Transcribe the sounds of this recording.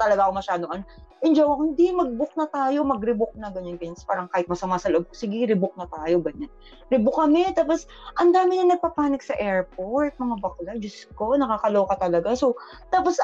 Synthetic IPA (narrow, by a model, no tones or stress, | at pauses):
t̪ɐlɐɡaʔɐkomɐʃaːd̪oŋʔɐnʔɪnd͡ʒɐwɐkhɪnd̪imɐɡ̚bʊk̚nɐt̪aːjo̞mɐɡɾɪbʊk̚nɐɡɐɲonɡɐɲnspaːɾɐŋkaːhɪt̪̚mɐsɐmaːsɐloʔob̚kosɪɡɪɾɪbʊk̚nɐt̪aːjo̞ɡɐɲan | ɾɪbʊk̚ːɐmɛt̪aːpos | ʔɐnd̪aːmɪɲɐnɐɡ̚pɐpaːnɪk̚sɐʔɛɹpoɹt̪̚mɐŋabɐklɐd͡ʒʊsko̞nɐkakɐlo̞ːkɐt̪ɐlɐɡaso | t̪aːpos